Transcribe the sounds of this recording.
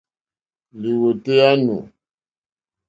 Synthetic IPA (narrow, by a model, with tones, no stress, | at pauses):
li˨wo˨te˦a˦nṵ˨